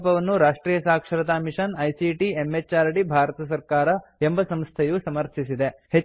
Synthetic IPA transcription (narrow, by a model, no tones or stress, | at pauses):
pɐʋɐnːuɾaːʂʈɾiːjɐsaːkʂɐɾɐt̪aːmiʂɐnɐjsiʈiemːet͡ʃːaːɾʈibʱaːɾɐt̪ɐsɐɾkaːɾɐembɐsɐmst̪ʰɐjusɐmɐɾt̪ʰisid̪ehe